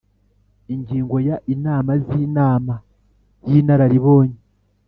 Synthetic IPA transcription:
iɲɟiːŋɡo̞jaʔinaːmaziːnaːma | jinaɾaɾiβoːɲi

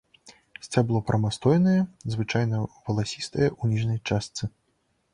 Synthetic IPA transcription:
sʲt͡sʲablˠɔpɾɐmast̪ɔjnɐjɛzvɨt͡ʂajnɐvɐlˠasʲist̪ɐjɐʔunʲiʐnɐjt͡ʂast̪sɨ

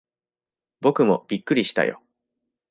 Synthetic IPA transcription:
bo̞kɯ̟mo̞̰b̥ʲikːɯ̟ɾʲiɕi̥t̪a̰jo̞̰

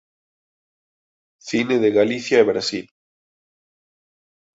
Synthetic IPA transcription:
θineðeɣaliθjaeβɾasil

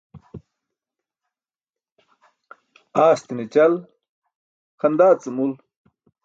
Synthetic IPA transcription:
aːst̪init͡ɕɐl | xɐnd̪aːt͡sɨmul

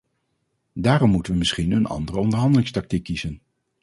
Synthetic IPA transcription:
daːɾɔmːutəʋəmɪsχinənɑ̰ndərəɔndəɹɦɑndəlɪŋstɑk̚tikːizən

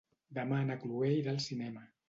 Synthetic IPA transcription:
d̪əmanəkluejðəlˠsinɛmə

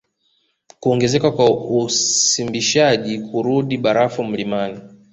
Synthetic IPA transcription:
kuɔŋɡɛzɛkakwausimbiʃaʄikʰuɾuɗiɓaɾafum̩limani

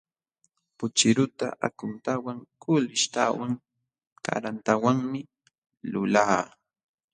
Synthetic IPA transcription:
pʊt͡ʃɪɾʊt̪a̰ʔa̰kʊnt̪awaŋkʊlɪʃt̪awaŋ | ka̰ɾant̪awaŋmɪ | lʊlaː

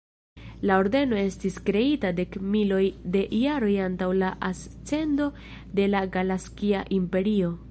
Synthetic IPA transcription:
lao̞ɾde̞no̞e̞stiskɾe̞itade̞kmilo̞jde̞jaɾo̞jantawlaʔas | t͡se̞ndo̞ | de̞laɡalaskiaʔimpe̞ɾio̞

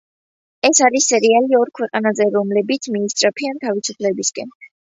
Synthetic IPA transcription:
ɛsaɾisːɛɾialiɔɾkʰwɛqʼanazɛɾɔmlɛbit̪sʰmiːst̪ʼɾapʰiant̪ʰavisupʰlɛbiskʼɛn

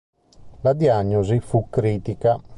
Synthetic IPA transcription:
lad̪iaɲːozifukːɾiːt̪ika

